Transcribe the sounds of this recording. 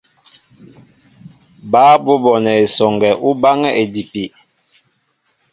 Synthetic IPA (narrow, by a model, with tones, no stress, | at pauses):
baː˦bo˦bɔ˨nɛ˨e˨sɔ˨ŋɡɛ˨ʔu˦ba˦ŋɛ˦ʔe˨di˨pi˨